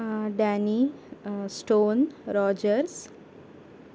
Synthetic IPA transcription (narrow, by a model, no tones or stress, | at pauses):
ɖani | sʈoːnɾɔːd͡ʒəɾs